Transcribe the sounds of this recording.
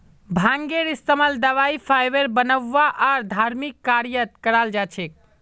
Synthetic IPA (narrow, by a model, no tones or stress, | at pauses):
bʱãŋɡeɾist̪əməld̪əʋaipʰajʋeɾbənəʋːaʔaɾd̪ʱaɾmikːaɾijət̪̚kəɾald͡ʒat͡ʃʰek̚